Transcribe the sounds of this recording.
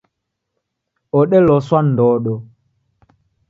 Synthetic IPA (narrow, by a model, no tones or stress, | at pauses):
ɔɗɛlɔswan̩dɔːɗɔ